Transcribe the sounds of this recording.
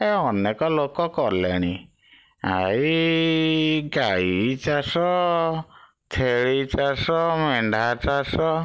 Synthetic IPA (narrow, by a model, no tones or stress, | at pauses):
eɔnekɔlokɔkɔlḛɽ̃i | a̰i | ɡait͡ʃasɔ | t̪ʰeɭit͡ʃasɔmeɳɖʱat͡ʃasɔ